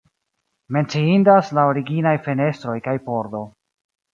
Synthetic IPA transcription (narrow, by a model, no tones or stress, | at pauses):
me̞nt͡siindaslaoɾiɡinajfe̞ne̞stɾo̞jkajpo̞ɾdo̞